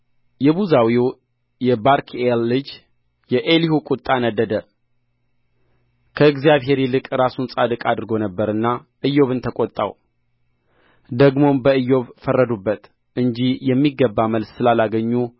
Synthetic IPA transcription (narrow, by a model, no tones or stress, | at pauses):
jɛbuzawiw | jɛbaɾkʰelːɨd͡ʒ | jɛʔelihukʼut̪ʼːanəd̪ːəd̪ə | kʰəɨɡzijaβɦe̞ɾilɨkʼɾasunsʼad̪ɨkʼad̪ɨɾɨɡo̞nəbːəɾɨnːa | ʔɨjːo̞βɨnt̪ʰəkʼot̪ʼːa̰w | d̪əɡmo̞mbəɨjːo̞βfərːəd̪ubːət̪ | ʔɨɲd͡ʒijɛmːiɡːəbːaməlssɨlalaɡəɲːu